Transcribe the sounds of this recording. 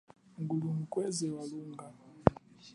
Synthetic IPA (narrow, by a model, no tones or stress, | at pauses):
ŋɡulumukʼwɛzɛwaluŋɡʱa